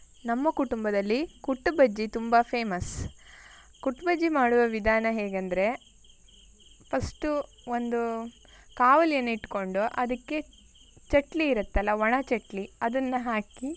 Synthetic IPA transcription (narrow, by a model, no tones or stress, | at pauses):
nɐmːɐkuʈumbɐd̪ɐlːikuʈːubɐd͡ʒːit̪umbɐpʰe̞ːmɐs | kuʈːbɐd͡ʒːimaːɽuʋɐʋid̪ʱaːnɐɦeːɡɐnd̪ɐɾe̞ | pʰɐsʈu | o̞nd̪u | kaːʋɐljɐnːɐiʈko̞ɳɖuʔɐd̪ɐkːe̞ | t͡ʃɐʈliːɾɐt̪ːɐlːɐʋɐɳɐt͡ʃɐʈliɐd̪ɐnːɐɦaːki